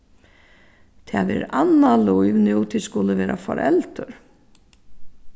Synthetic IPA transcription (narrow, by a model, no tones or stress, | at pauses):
t̪ʰɛʋɛ̰ːɾanːalujvnuːt̪ʰɪskʊləʋɛːɾʔafɔ̰ɾʔɛ̰lt̪əɾ